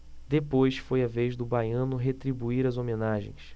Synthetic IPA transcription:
d̪epojsfojɐvejʒd̪ʊbajɐ̃nʊɦet̪ɾibuiɾɐzomẽnaʒḛ̃j̃s

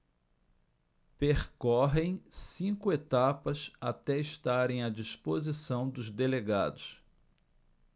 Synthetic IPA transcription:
peχkɔɦẽj̃sĩkʊet̪apɐsat̪ɛɪʃt̪aɾẽj̃ɐd͡ʒispozisɐ̃w̃d̪ʊzd̪eleɡa̰d̪ʊs

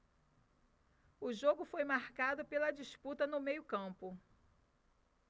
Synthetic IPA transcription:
ʊʒoɡʊfojmaɾkad̪ʊpelɐd͡ʒisput̪ɐnʊmejʊkɐ̃pʊ

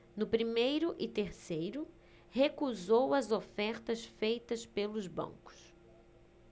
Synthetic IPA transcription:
nʊpɾimejɾʊʔɪt̪eɾsejɾʊ | hekuzowɐzofɛɾt̪ɐsfejt̪ɐspelʊzbɐ̰̃ŋkʊ̥s

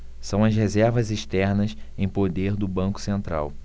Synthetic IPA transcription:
sɐ̃w̃ɐzɦezɛɾvɐziʃt̪ɛɾnɐs | ẽj̃pod̪eɾd̪ʊbɐ̃ŋkʊ̥sẽnt̪ɾa̰w

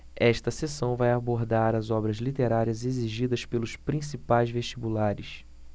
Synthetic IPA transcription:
ɛʃt̪ɐsesɐ̃w̃vajaboɾd̪aɾɐzɔbɾɐzlit̪eɾaɾiɐzeziʒid̪ɐspelʊspɾĩsipajzveʃt͡ʃibulaɾɪs

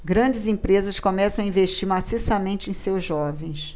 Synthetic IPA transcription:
ɡɾɐ̃d͡ʒɪzĩpɾezɐskomɛsɐ̃aĩveʃt͡ʃiɾmasisɐmẽnt͡ʃɪẽj̃sewzʒɔvẽj̃s

